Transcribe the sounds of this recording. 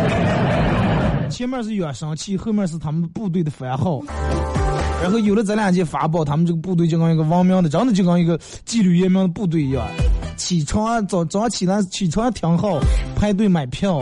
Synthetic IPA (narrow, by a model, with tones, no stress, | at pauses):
t͡ɕʰjɛ˥mjɑ˥˧ʂ̬ɻ̩˥˩ɥwa˨˩ʂɑ˥ŋt͡ɕʰi˥˧xɤ˥˧mjɑ˥˧ʂɻ̩˥˩t̪ʰa˥mə˨npu˥˧t̪̬we˥˩ɪd̪ə˩fə˧˥a˧˥xɑ˥˩ʊ˥˧˩ | ɻa˧˥nxʊjo˨˩lə˦t͡sa˧˥ɪljɑ˨˩ŋt͡ɕjɛ˥˩fa̰˧˥p̬ɑ˨˩ʊt̪ʰa˥mə˨nʈ͡ʂɡə˩pu˥˧t̪we˥˩ɪt͡ɕo˥˩kɑ˥ŋi˧˥ɡə˧wɑ˥ŋmjɑ˥ŋd̪ə˨ʈ͡ʂɑ˥ŋt͡s̪ʰt͡ɕjo˥˩kɑ˥ŋi˧˥ɡə˧ | t͡ɕi˥˧lu˥˩ɥɛ˥˧mjɑ˥ŋd̪ə˧pu˥˧t̪̬we˥˩ɪjwa̰˨˧˦nt͡ɕʰi˨˩t͡sʰwa˥ŋ˥t͡sɑ˨˩ʊt͡sɑ˨˩ʊa˥˩t͡ɕʰi˨˩na˥˩t͡ɕʰi˨˩t͡sʰwɑ˥a˥t̪ʰjɑ˧˥ŋxɑ˥˩ʊpʰa˥ɪt̪̬we˥˩ɪma˨˩ɪpʰjɑ˥˩ʊ